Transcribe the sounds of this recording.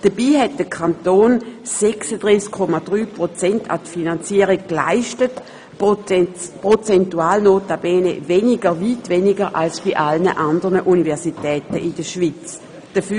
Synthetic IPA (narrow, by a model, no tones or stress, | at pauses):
d̥əb̥iːɦɛt̚d̥əkʰantoːnsɛksədʁiːskʰːɔmad̥ʁyːpʁot͡sɛntʰa̰tfinant͡siːəʁiɡ̚kla̰ɪʃtət | pʁot͡sɛntuaːlnoːtabɛːnḛveːniɡəviːtvɛnɪɡəʁʔa̰lsb̥iʔalnəʔandəʁnəʔunivɛɐsitɛːtəʔɪdəʃvit͡s | d̥əfy